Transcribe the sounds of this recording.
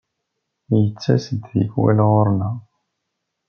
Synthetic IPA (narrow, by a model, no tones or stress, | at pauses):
jət͡sːæsəd̪ðḭɡwæ̰lʁʊɾnæ